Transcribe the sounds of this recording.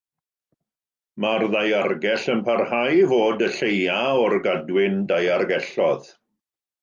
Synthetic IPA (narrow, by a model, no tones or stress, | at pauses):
marðajarɡɛɬənpʰarhajvoːdəɬejaɔrɡadwɪndajarɡɛɬɔð